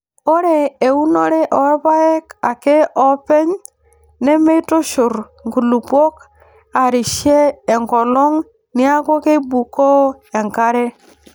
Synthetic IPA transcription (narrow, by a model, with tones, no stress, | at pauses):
o˦ɾe˨e˨u˦no˦ɾe˦ʔɔ˨ɛ˦ba˦e˦ka˨ke˦ʔɔ˦pɛ˦ɲ | ne˦me˦to˦ʃʊ˨ɾ | ŋɡu˨lu˨pwo˦k | a˨ɾi˨ʃeː˦˨ŋkɔ˨lɔ˦ŋ | ni˦a˦ko˦ke˦bu˨ko˦ | e˨ŋka˦ɾe˦